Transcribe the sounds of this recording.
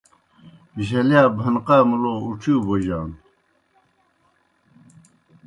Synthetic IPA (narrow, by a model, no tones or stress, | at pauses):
iɕ̬ɐljaːbʱɐnqaːmulouʈ͡ʂʰuːboʑaːn